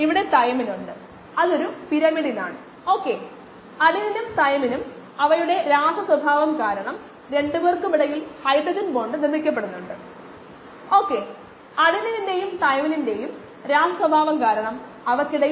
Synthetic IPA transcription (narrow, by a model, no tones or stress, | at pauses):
iʋiɽe̞t̪ɐjɐminuɳɖɨ | ɐðo̞ɾupiɾɐmiɽina̰ːɳɨ | o̞ːkːe̞ | ɐðininumt̪ɐjɐminum | ɐʋɐjuɽe̞ɾaːʂɐswɐbʱaːʋɐmkaːɾɐɳɐm | ɾe̞ɳɖuʋerkːɨmiɽɐjilhɐjbrɐd͡ʑunboːɳɖɨnirmːikʲːɐp̬ːeɽunːuɳɖɨ | o̞ːkːe̞ | ɐðinininde̞jumt̪ɐjɐmɐninde̞jum | ɾaːʂɐswɐbʱaːʋɐmkaːɾɐɳɐm | ɐʋɐkːiɽe